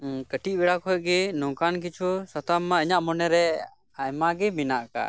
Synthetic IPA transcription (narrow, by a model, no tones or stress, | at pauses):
kəʈit̚bɛɽakɔjɡɛnɔ̃kank̬it͡ʃʰusat̪amːaəɲaʔmɔnɛɾɛ | ajmaɡɛminaʔaka̰